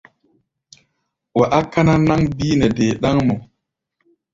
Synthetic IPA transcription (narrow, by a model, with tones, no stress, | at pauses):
wa˨ʔa˦kːa˦na˦na˦ŋbi˦nɛ˨deː˨ɗa˦ŋmɔ˨